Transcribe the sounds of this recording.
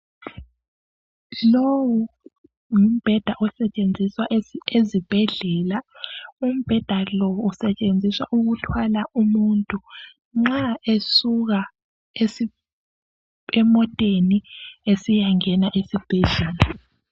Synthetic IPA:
lowu | um̩b̥ʱɛd̥ʱaʔɔsɛt͡ʃʼend͡zʱiswaezib̥ʱɛɮɛlaum̩b̥ʱɛd̥ʱalɔːsɛt͡ʃʼend͡zʱiswa̰ʔuɣutʰwalaʔumuntʼu | ŋ͡ǁaesuɣa | e | ɛmɔtʼeniesijaŋɛnaʔesib̥ʱɛɮɛːla

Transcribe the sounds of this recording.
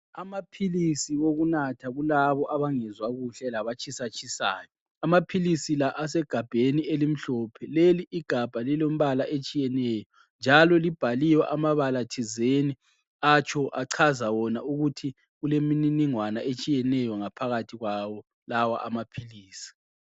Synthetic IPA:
amapʰilisiwoɣunatʰaɣulaβɔʔaβaŋɛzwaɣuɬɛlaβat͡ʃʰʼisat͡ʃʼʰisa̰ːjɔ | amapʰilisilaʔas̬ɛɡ̥ʱab̥ʱenielim̩ɬɔpʰɛleliʔːɡ̥ʱab̥ʱalilom̩βalaʔet͡ʃʼijɛnɛːjɔ | nd͡ʒʱalɔlib̥ʱalijwɛʔamaβalatʰizeni | at͡ʃʰɔʔaǀʰazawɔnauɣutʰi | ɣulemininiŋwana̰ʔet͡ʃʼijɛnɛjɔŋapʰaɣatʰiɣwawɔ | lawa̰ʔamapʰiliːsi̥

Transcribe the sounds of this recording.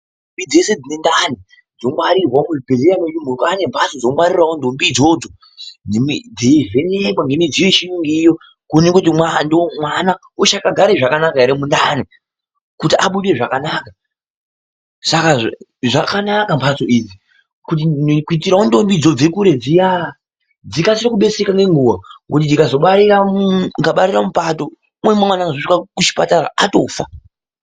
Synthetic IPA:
ombid͡ze̞se̞d͡zine̞ndani | d͡zomwaɾirwaokuʐibʱe̞ɮeɾameumukane̞mbʰasod͡zomwaɾirawondo̞mbid͡zo̞d͡zo̞ | emid͡zeve̞nekwaŋɡe̞mid͡zijoʃijuŋɡiːjo̞ | kunekut̬imwandomwana | uʃakaɡʱaɾeʐakanakaeɾemundani | kutiʔaɓuɗe̞ʐakanaːka | sakaʐakanakampʰat͡so̞ʔiːd͡zi | kut̬inkuitiɾaundo̞mbid͡zo̞d͡ze̞kuɾe̞d͡zija | d͡zikasiɾokuɓe̞t͡sekaŋɡe̞ŋɡuwaŋɡot̬indikazo̞ɓaɾiraŋɡaɓaɾiramupato̞ | mwemwemwanaŋɡazoʂikakut͡ʃi̥pataraatofa̰

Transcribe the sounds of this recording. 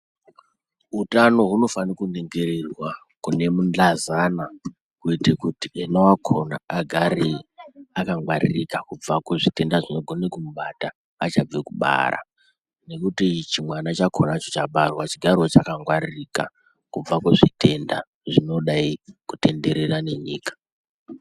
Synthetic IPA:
ɦutano̞ɦuno̞fanikune̞ŋɡe̞ɾerwa | kune̞mund͡ɮazana | kuitekutienowakʰo̞na̰ːɡʱaɾiakaŋwaɾḭrikakub͡vakeʐite̞ndaʐino̞ɡʱo̞nekumuɓataː | t͡ʃab͡vekuɓa̰ɾa̰ | ne̞kutit͡ʃimwanat͡ʃakʰonat͡ʃot͡ʃaɓarwat͡ʃiɡʱariot͡ʃakaŋɡwaɾirika̰ | kub͡vakweʐite̞nda | ʐino̞ɗaikute̞nde̞ɾe̞rane̞ɲḭːkḁ

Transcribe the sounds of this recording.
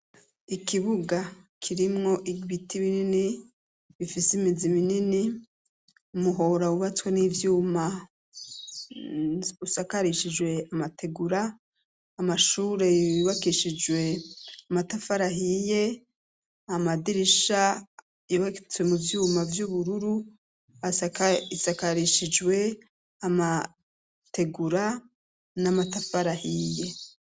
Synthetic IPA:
ikiβuɡakʰiɾimŋo̞ʔiβitiβinini | βifisimiziβinini | umuɦo̞ɾauβat͡swenivjuːma | usakaɾiʃid͡ʒwe̞amatʰe̞ɡuɾaː | maʃuːɾe̞iβakiʃid͡ʒwe̞amatafaɾaɦije̞ | amadiɾiʃa | joβaket͡swe̞muvjuːmavjuβuɾuɾu | aisakaɾiʃid͡ʒwe̞ | ama | te̞ɡuɾa | namatafaɾahije̞

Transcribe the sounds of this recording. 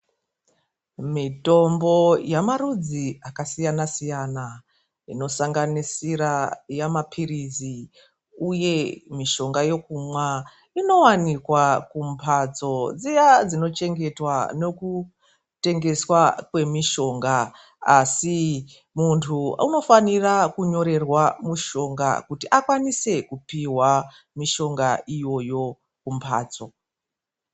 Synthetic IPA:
mito̞mbo̞jamaɾud͡ziakasijanasijana | ḭno̞saŋɡanisiɾajamapʰirizi | uje̞miʃo̞ŋɡajo̞kumwa | ino̞wanikwakumpʰad͡zo̞d͡zijad͡zino̞t͡ʃe̞ŋɡe̞twano̞ku | te̞ŋɡe̞swakwe̞miʃo̞ŋɡaː | si | muntʰuuno̞fanirakuɲo̞ɾe̞rwamuʃo̞ŋɡa̰kutiʔakwanise̞kupiwa | miʃo̞ŋɡaʔijo̞jo̞ | kumpʰa̰ːt͡so̞

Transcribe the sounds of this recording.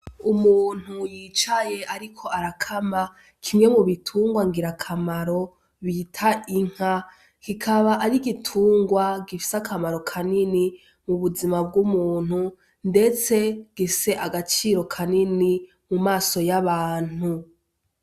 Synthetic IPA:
umuːn̥hujit͡ʃaje̞ʔaɾikʰo̞ʔaɾakʰama | kʰimŋe̞muβitʰuːŋɡwaŋɡiɾakʰamaɾo̞ | βitʰaʔiŋ̥ha | kikʰaβaʔaɾiɡitʰuːŋɡwaɡifi̥sakʰamaɾo̞kʰanini | muβuzimab̚ɡumuːn̥hu | nde̞t͡se̞ɡ̥ese̞ʔaɡat͡ʃiɾo̞kʰanini | mumaːso̞jaβaːn̥u

